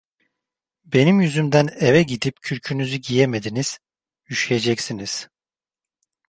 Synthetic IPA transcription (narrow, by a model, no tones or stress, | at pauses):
be̞nimjyzymd̪ænevɛɟid̪ipcʰyɾcʰynyzyɟijeme̞d̪iniz̥ | jyʃjed͡ʒɛcsiniz̥